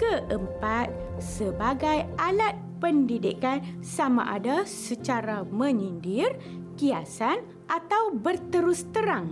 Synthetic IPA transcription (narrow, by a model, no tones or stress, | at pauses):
kəʔəmpat̪̚ | səbaɡajʔalat̪̚pəndidḭkansamã̰ʔadasət͡ʃaɾamə̃ɲindir | kiasan | ʔat̪awbərt̪əɾust̪əɾaŋ